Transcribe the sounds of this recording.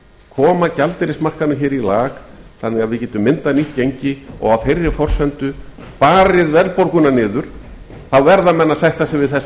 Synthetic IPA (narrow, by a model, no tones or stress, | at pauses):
kʰɔːmacalt̪ɪɾɪsmar̥kanʏçɛːɾilaːɣθanːɪɣaðvɪcɛːt̪ʏmːɪnt̪aniht̪̚cejɲcɪɔ̰ɣawfejrːɪfɔr̥sɛnt̪ʏ | paːɾɪðvɛɾlpoɾkʏnanɪːðʏɾ̥ | θawvɛɾðamɛnːasajht̪asɪvɪðθɛs